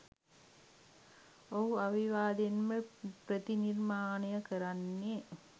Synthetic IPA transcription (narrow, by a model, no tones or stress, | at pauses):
oɦuaʋiʋaːd̪enməpɾət̪inirmaːnejəkəɾanːe